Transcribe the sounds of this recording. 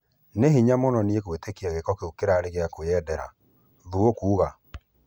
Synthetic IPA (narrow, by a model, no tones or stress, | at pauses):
neɦiɲamonɔniekwetekiaɣekɔkeokeɾaɾeɣeakojɛdɛɾa̰ | ðuokuːɣa